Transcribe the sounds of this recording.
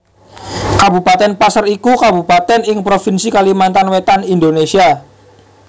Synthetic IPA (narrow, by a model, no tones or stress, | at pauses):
kabupat̪ɛnpasərikukabupat̪ɛnɪŋpɾofinsikalimant̪anwet̪anindonesia